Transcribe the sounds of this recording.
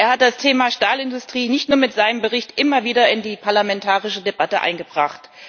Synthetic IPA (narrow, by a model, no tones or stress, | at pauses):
ʔeːɐhat̚d̥astʰeːmaʃtaːlɪndʊstʁ̥iːnɪçtnuːɐmɪtz̥aɪnəmbəʁɪçtʔɪmɐviːdɐɪndiːpʰaɐlamɛntʰaːʁɪʃədebatəʔa̰ɪnɡəbʁaχt